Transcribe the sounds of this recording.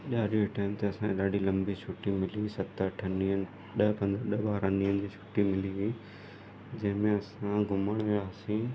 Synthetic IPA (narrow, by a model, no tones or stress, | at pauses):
ʄaːɾioʈaːɪmt̪eɐsãɗaːɖilɐ̃mbiɕʰuːʈimɪlisɐt̪əʈʰɐniənɪ | ɗɐpɐ̃nd̪ɾɗɐɓaːɾaniːənɪ̆d͡ʑiːʃʰuːʈimɪliɡi | d͡ʑɐ̃ɦɪ̃mẽɐsãɡʱʊməɽ̃ʋaːsĩː